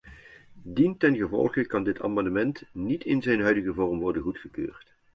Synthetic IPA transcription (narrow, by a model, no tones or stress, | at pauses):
dintɛnχəvɔ̰lˠχəkɑndɪtʰa̰ːmɑndəmɛntnitʰɪnzɛjnɦœɥdəɣəvɔrmʋɔɹdənɣutχəkø̰ːrt